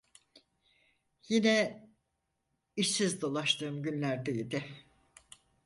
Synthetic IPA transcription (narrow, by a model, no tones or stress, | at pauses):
jinɛ | iʃsizd̪o̞lˠaʃt̪ʰɯːmɟynlʲæɾd̪ɛjid̪ɪ